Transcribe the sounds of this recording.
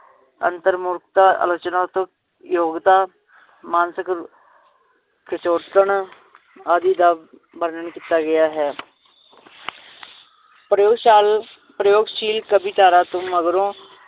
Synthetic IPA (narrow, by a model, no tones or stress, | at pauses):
ə̰nt̪əɾmʊɾkt̪aːʔə̰lət͡ʃnaːt̪õ | joːɡt̪aː | maːnsɪk | kɾɪt͡ʃoːt̪əɳ | aːd̪iːd̪aː | bəɾnəɳkit̪aːɡəjaːɦɛː | pɾəjoːɡʃaːl | pɾəjoːɡʃiːlkəbiːt̪aːɾaːt̪õːməɡɾõː